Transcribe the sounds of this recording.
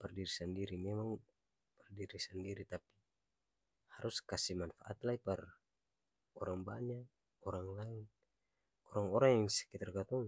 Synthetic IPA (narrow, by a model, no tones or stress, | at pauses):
pɛrdiɾisandiɾimɛmaŋ | pərdiɾisandiɾit̪api̥ | haɾuskasihmanfaʔat̪laipar | ɔɾaŋbaɲak̚ | ɔɾaŋlain | ɔɾaŋɔɾaŋjaŋsɛ̥kit̪arɡat̪ɔŋ